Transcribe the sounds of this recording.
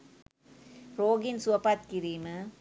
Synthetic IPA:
ɾoːɡɪnsʊʋɐpaːt̪̚kiɾiːmɐ

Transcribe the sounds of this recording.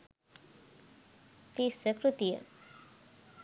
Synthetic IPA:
t̪isəkɾut̪ijə̰

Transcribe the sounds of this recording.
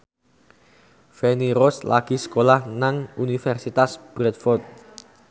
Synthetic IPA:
feniɾɔslaɡ̥i̤sə̥kolahnaŋunifɛrsit̪asb̥ɾɛt̪̚fɔrt̪̚

